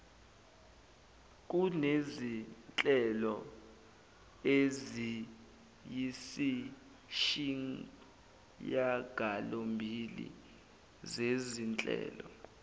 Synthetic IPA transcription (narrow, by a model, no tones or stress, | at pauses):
k̬unezint͡ɬʼɛlɔ | ezi | jisi | ʃiŋ | jaɡ̥ʱalombʱilḭ | zezint͡ɬʼɛ̰ːlɔ